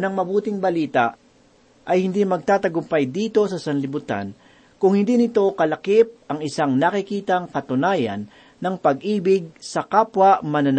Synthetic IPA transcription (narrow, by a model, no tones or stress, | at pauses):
nɐŋmɐbuːt̪ɪŋbɐliːt̪ɐʔ | ʔɐjhɪnd̪imɐɡ̚t̪aːt̪ɐɡʊmpajd̪iːt̪o̞sɐsɐnlɪbʊt̪a̰n | kʊŋhɪnd̪iːnɪt̪o̞kɐlɐkɪp̚ʔɐŋɪsaŋnakɪkiːt̪ɐŋkɐt̪ʊnaːjɐ̰nː | ɐŋpɐɡʔiːbɪɡ̚sɐkapwɐmɐnɐn